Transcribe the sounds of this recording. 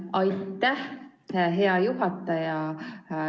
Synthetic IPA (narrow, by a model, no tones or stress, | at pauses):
ɑjt̪ːˑæh | ɦe̞ɑjuɦɑt̪ːˑɑjɑ